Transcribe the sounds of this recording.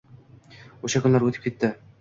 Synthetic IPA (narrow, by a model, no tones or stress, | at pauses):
ɵʃakʰʊnlaɾwɵt̪ɪ̥pkʲet̪ːɪ